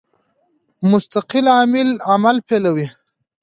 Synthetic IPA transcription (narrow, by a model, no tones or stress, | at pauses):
mʊst̪aqɪlaːmɪlamalpelawi